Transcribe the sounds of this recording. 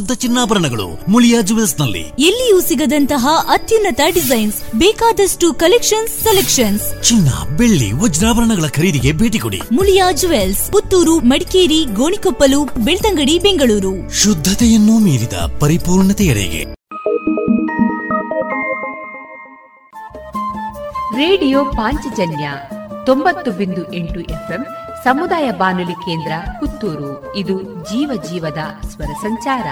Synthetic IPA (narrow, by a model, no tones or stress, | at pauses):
d̪ʱːɐt͡ʃinːaːbɐɾɐɳɐɡɐɭṵmuljaːd͡ʒuʋelsnɐlːḭelːijusiɡɐd̪ɐnt̪ɐɦɐʔɐt̪junːɐt̪ɐɖizɐjnsbɛːkaːd̪ɐsʈukɐlekʂɐnsːelekʂɐnst͡ʃinːɐ̰beɭːḭʋɔd͡ʒɾaːbɐɾɐɳɐɡɐɭɐkʰɐɾiːd̪iɡe̞bʱeːʈikoɽḭmuljaːd͡ʒuʋelsput̪ːuːɾumɐɽikeːɾiɡoːɳikopːɐluːpbeɭt̪ɐŋɡɐɽibeŋɡɐɭuːɾuʃud̪ʱːɐt̪ɛjɐnːumiːɾid̪ɐ̰pɐɾipuːɾɳɐt̪ɛɐɭɛ̰ɡḛ | ɾeːɖijoːpaːɲt͡ʃɐd͡ʒɐnjɐt̪ombɐt̪ːubind̪uʔeɳʈuʔepʰemsɐmud̪aːjɐbaːnulikeːnd̪ɾɐkut̪ːuːɾu | id̪ud͡ʒiːʋɐd͡ʒiːʋɐd̪ɐsʋɐɾɐsɐɲt͡ʃaːɾɐ̰